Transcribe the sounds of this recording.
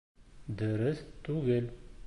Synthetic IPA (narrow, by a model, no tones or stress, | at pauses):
d̪əɾəst̪uɡel